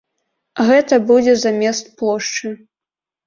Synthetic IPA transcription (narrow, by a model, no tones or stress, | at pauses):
ɣɛt̪ɐbud͡zʲɛzamʲɛst̪̚plˠɔʂt͡ʂɨ